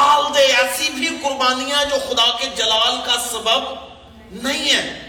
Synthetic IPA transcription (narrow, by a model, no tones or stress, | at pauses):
aːld̪eɛːsibikʊɾbaːnijãd͡ʒoːxʊd̪aːked͡ʒəlaːlkaːsəbəb | nəɦĩːɛː